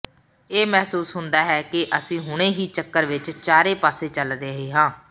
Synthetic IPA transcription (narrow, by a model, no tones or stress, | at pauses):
eːmɛːsuːsɦʊnd̪aːɦɛːkɪʔəsĩːɦʊɽ̃ẽːɦiːt͡ʃəkːəɾʋɪt͡ʃt͡ʃaːɾeːpaːseːt͡ʃəld̪eːɦeːɦãː